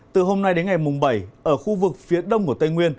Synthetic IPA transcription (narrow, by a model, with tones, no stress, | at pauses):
t̪ɨ˨˩ɦo˧mna˧jɗe˨˦nŋa˨˩jmʊ˨˩ŋ͡mɓa˧˩jʔəː˧˩xu˧vɨ˨˩k̚fi˨˦əɗə˧wŋ͡mku˧˩ət̪ə˧jŋwi˧ən